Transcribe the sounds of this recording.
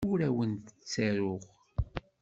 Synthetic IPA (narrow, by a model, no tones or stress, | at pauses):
ʊɾæwənt̪ət͡sːæɾʊʁ